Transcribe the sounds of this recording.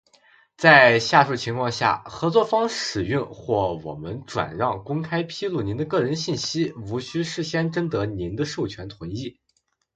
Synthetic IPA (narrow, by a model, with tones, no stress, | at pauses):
t͡sa˥˧ɪɕja˥˧ʂu˥˩t͡ɕʰi˧˥ŋkʰwɑ˥˧ŋɕja̰˥˩xɤ˧˥t͡swɔ˥˩fɑ˥ŋʂɻ̩˨˩y˥˧ŋxwɔ˥˩wɔ̰˨˩mə˦nʈ͡ʂwa̰˨˩nɻɑ˥˩ŋkʊ˥ŋkʰa˥ɪpʰi˥lu˥˩ni˧˥nd̪ə˧kɤ˥˩ɻə˧˥nɕi˥˩nɕi˥u˧˥ɕy˥ʂɻ̩˥˩ɕjɛ˥nʈ͡ʂə˥ŋt̪ɤ˧˥ni˧˥nd̪ə˧ʂu˥˩ʊt͡ɕʰɥɛ˧˥nt̪ʰwə˧˥ni˥˩